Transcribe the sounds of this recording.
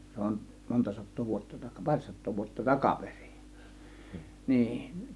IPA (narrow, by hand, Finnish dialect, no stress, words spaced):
se on montɑ sɑtˑoː ʋuotːɑ tɑkɑ pɑrˑ sɑtˑoː ʋuotːɑ tɑkɑperi̥ niː